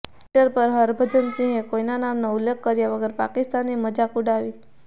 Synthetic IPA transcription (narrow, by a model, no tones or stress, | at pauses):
ʈəɾpəɾɦəɾbʱəd͡ʒənsĩɦẽkoinanamnaulːekːəɾjaʋəɡəɾpa̰kɪst̪anːiməd͡ʒakuɽaʋi